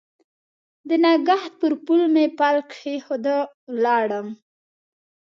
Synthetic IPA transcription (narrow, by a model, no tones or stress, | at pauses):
d̪ənaɡaht̪̚pəɾpulmepalkʃexod̪ə | wlɑɽəm